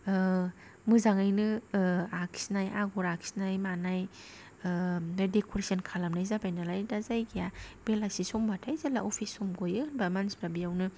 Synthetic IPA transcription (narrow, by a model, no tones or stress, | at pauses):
mɯzaŋajnɯakʰi̥snajʔaɡɔɾakʰi̥snajmanaj | dekʰoɾesankʰalamnajzabajnalajdazajɡʰijab̥elasisɔmbatʰajzalaɔpʰisɔmɡojɯnbamansbɾabijawnɯ